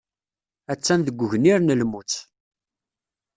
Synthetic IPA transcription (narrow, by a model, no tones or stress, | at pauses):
æt͡sːæmðəɡʷːəʝəniɾnəlmut͡sː